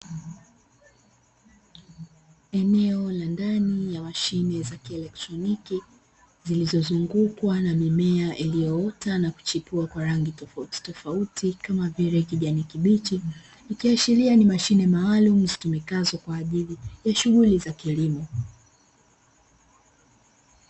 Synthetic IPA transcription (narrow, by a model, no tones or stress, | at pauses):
ɛnɛɔlandanijamaʃinɛzakiɛlɛk̚tɾɔniki | zilizɔzuŋɡukwanamimɛaʔilijɔɔtanaku̥t͡ʃipuakwaɾaŋɡitɔfauti̥tɔfautʰikamaviɾɛkiʄanikiɓit͡ʃiː | kiaʃilianimaʃinɛmaːlum̩zitumikazɔkwaːʄilijaʃuɣulizakilimɔ